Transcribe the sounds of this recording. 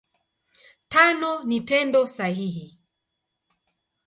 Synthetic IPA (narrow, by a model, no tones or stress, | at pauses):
tanɔnitɛndɔsahihi